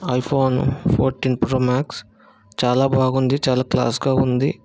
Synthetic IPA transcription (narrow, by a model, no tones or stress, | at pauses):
ɐjpʰoːnpʰo̰ːɾʈiːnpɾoːmaːks | t͡ʃaːlaːbʱaːɡund̪it͡ʃaːlaːkla̰ːsɡaːund̪ḭ